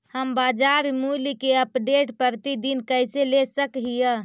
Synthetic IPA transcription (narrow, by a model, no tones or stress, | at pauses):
həmbad͡ʒaɾimulikeəpɖeʈpəɾt̪id̪inkəjselesəkɦijə